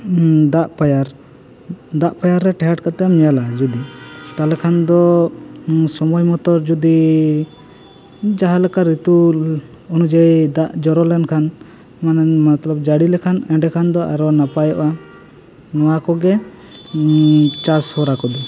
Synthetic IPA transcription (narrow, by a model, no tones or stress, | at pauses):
d̪aʔpajaɾ | d̪aʔpajaɾːɛʈɛɦaʈkat̪ɛamɛjalad͡ʒud̪it̪alɛkʰand̪ɔ | sɔmɔjmɔt̪ɔɾd͡ʒud̪i | d͡ʒaɦalɛkaɾit̪u | ɔnud͡ʒajd̪aʔd͡ʒɔɾɔlɛnkʰan | manɛmat̪lɔbd͡ʒaɽilɛkʰanɛ̃ɳɖɛkʰand̪ɔʔa̰ɾɔnapajɔʔa | nɔwakɔɡɛ | t͡ʃashɔɾakɔd̪ɔ